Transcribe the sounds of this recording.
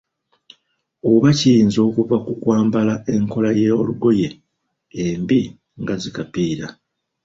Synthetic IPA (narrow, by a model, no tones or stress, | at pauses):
o̞βacijiːnzo̞ːkuvakukwaːmbalae̞ŋko̞lajeoluɡo̞je̞ː | mbi | ŋɡazikapiːɾa